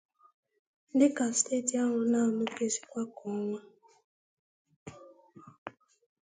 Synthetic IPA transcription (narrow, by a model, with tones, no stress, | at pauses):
n̩˦dɪ˦ka˨ste˦˨ti˨a˦ŋʊ˨na˦˨mʊ˦ke˦si̥˨kʷa˦kʰɔ˨˦ŋʷa˦